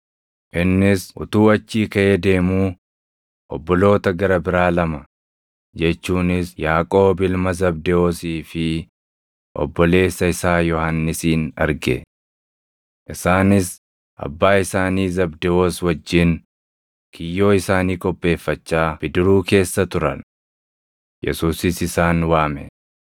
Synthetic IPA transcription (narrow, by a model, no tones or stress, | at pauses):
ʔɪnːɪsʊ̰t̪uːɐt͡ʃːiːkɐʔeːd̪e̞ːmuː | ʔɔbːɔlo̞ːt̪ɐɡɐɾɐbɪɾaːlɐmɐ | d͡ʒɛt͡ʃːuːnɪsjaːkʼo̞ːbɪlmɐzɐbd̪ɛoːsiːfɪ | ʔɔ̰bːɔle̞ːsːɐɪsaːjɔhanːɪsiːnɐ̰ɾɡɛ̰ | ʔɪsaːnɪs | ʔɐ̰bːaːɪsaːniːzɐbd̪ɛoːswɐd͡ʒːɪn | kʰɪjːo̞ːɪsaːniːkʼɔpʼːe̞ːfːɐt͡ʃːaːb̥ɪd̪ɪɾuːke̞ːsːɐt̪ʊɾɐ̰n | jɛ̰suːsɪsɪsaːnwaːmɛ̰